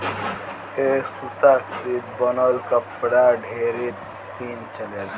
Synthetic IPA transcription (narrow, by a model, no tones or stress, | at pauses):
esut̪akɾit̪̚bənəlkəpɽaɖʱeɾit̪ | siːnt͡ʃəle